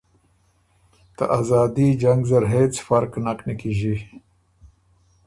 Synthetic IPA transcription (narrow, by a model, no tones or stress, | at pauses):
t̪a̰ʔazɑːd̪id͡ʒɐŋɡzɐɾɦeːt͡sfɐɾknaqnɐkiʒi